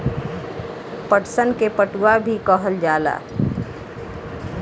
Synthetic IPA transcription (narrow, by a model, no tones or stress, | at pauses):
pəʈsənkepəʈuabʱikəɦəld͡ʒaːla̰ː